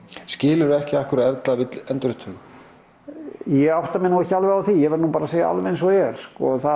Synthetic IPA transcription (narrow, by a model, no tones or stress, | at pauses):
scɪːlɪɾʏɛhcɪahkʏɾɛɾt̪lavɪt̪ɛnt̪ɾʏht̪ʰʏːɣ | jɛɣawht̪amɛnaçalvʏawθijɛvɛɾnupaːɾaseːja̰ʔa̰lvɪensɔɣɛɾ̥skɔθa